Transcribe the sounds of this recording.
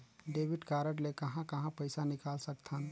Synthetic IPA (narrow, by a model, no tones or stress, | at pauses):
ɖeːʋɪʈkaːɾəʈlekɐɦãkɐɦãpəɪsanɪkaːlsək̚t̪ʰan